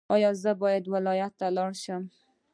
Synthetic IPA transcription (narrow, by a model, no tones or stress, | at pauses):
ɒjɒzabɒjad̪vɪlɒjat̪ʰːalɒɾʃam